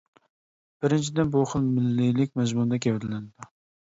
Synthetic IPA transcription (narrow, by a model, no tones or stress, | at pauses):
b̥ɪɾɪnt͡ʃʰid̪ɪnbuχəlˠmɪlːɪlɪk̚ʲmɛzmund̪ɛkʲʰɛwɪɾlɪnɪd̪u